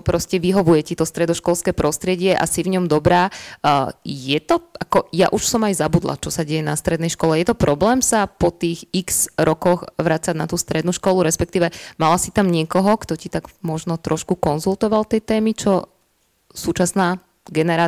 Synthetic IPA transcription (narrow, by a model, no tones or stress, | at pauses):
pɾɔscɛʋiɦɔʋujɛcit̪ɔst̪ɾɛd̪ɔʃkɔlskɛːpɾɔst̪ɾɪɛɟɪɛʔa̰sivɲɔmd̪ɔbɾaː | jɛt̪ɔakɔja̰ʔuʃsɔmajzabud̪lˠa̰t͡ʃɔsaɟɛjɛnast̪ɾɛd̪nɛjʃkɔlɛjɛt̪ɔpɾɔblɛːmsapɔt̪iːɣikz̥ɾɔkɔxʋɾat͡sanat̪uːst̪ɾɛd̪nuːʃkɔluɾɛspɛk̚t̪iːʋɛmalasit̪amɲɪɛkɔɦɔkt̪ɔcit̪aɡmɔʒnɔt̪ɾɔʃkukɔnzulˠt̪ɔʋalt̪ɛjt̪ɛːmit͡ʃɔ | suːt͡ʃasnaː | ɡɛnɛɾaː